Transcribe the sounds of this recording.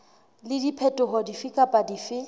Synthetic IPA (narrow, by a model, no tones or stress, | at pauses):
lɪdipʰɛtʼʊɦɔdifikʼapʼadifɪ